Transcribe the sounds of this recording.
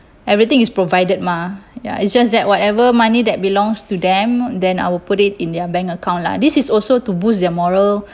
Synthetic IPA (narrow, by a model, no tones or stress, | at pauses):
ɛvɹit̪ĩŋispɹovajdəd̚maja̰itsd͡ʒas̬dɛt̚wɔtɛvəmanidɛt̚bilɔ̃ŋstudɛ̃mdɛ̃na̰jwilputitĩndɛəbɛ̃ŋkəkãw̃ntla̰disisɔlsotubusdɛmɔɹəl